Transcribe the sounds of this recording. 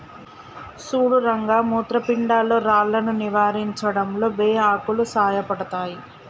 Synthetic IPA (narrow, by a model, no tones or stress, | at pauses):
suːɽuɾɐŋɡaːmuːt̪ɾɐpiɳɖaːlo̞ːɾaːɭːɐnuniʋaːɾiɲt͡ʃɐɽɐmlo̞ːbeːaːkulusaːjɐpɐɽɐt̪aːji